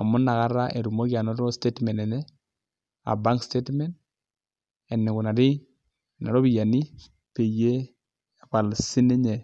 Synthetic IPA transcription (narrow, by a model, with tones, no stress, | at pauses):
a̰˨mʊ˦na˨ka˦ɾa˦ʔe˨ɾu˨mo˦kja˨nɔ˦tɔ˦ste˦tmɛ˨nɛ˨nɛ˦ | a̰˨ba˦ŋkste˦tmɛ˦nd | ɛ˨nɪ˨ku˨na˨ɾɪ˦˨ | na˨ɾɔ˦bi˨ja˨ni˦ | pe˨je˦ | pa˨lsi˦nɛ˦ɲɛ˨